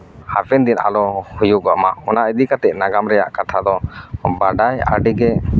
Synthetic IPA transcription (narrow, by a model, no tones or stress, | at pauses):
hapʰɛnd̪ina̰lɔhujuʔɡɔʔmaʔɔnaʔəd̪ikat̪ɛʔ̚naɡamɾɛja̰ʔkat̪ʰad̪ɔbaɖaja̰ɖiɡɛ